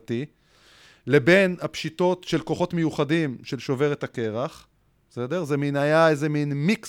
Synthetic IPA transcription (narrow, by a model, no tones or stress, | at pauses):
ti | le̞be̞nhapʃito̞t̪ʃe̞lko̞χo̞tme̞juχadimʃelʃo̞ve̞ʁet̪ake̞ʁaχ | sedeʁzeminajaezeminmik